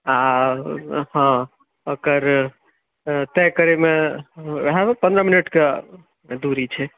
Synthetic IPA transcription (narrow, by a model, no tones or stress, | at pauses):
a | ɦɔ̃ | okəɾ | t̪ɛkəɾeme | ɦãpə̃nd̪ɾəminəʈke | d̪uɾit͡ʃʰɛ